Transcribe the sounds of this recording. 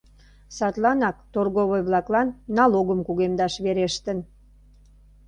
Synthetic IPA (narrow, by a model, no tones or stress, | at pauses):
sɑt̪lɑnɑkt̪orɣoβojβlɑklɑnːɑloɣəmkuɣemd̪ɑʃβeɾeʃt̪ən